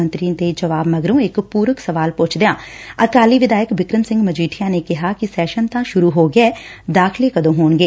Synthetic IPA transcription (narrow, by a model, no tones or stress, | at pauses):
ənt̪ɾiːnt̪eːd͡ʒəʋaːbməɡɾõːɪkpuːɾəksəʋaːlpʊt͡ʃʰd̪ejãːəkaːliːʋɪd̪aːjəkbɪkɾənsɪ̃ŋɡməd͡ʒiːʈʰijãːneːkɪɦaːkɪsɛːʃənt̪ãːʃʊɾuːɦoːɡɪɛːd̪aːxʰɪleːkəd̪õːɦoːnɡeː